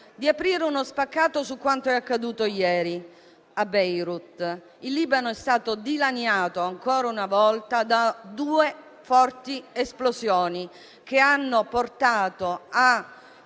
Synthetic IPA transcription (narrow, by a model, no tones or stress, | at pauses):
d̪iapɾiːɾeunospakːaːt̪osukːwant̪oɛakːad̪uːt̪ojɛːɾi | abɛjɾut̪ | ilːiːbanoɛst̪aːt̪od̪ilanjaːt̪oaŋkɔːɾaunavɔlt̪ad̪ad̪uːe | fɔrt̪iesplosjɔːni | k̟eanːoport̪aːt̪oa